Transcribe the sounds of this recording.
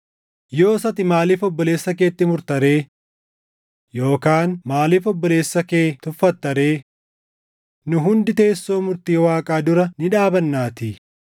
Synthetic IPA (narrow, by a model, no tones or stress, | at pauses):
jo̞ːsɐt̪ɪmaːliːfɔbːɔle̞ːsːɐke̞ːt̪ːɪmʊɾt̪ɐɾe̞ː | jo̞ːkaːnmaːliːfɔbːɔle̞ːsːɐkeːt̪ʊfːɐt̪ːɐɾe̞ː | nʊɦʊnd̪ɪt̪e̞ːsːo̞ːmʊɾt̪iːwaːkʼaːd̪ʊɾɐnɪᶑaːbɐnːaːt̪ɪ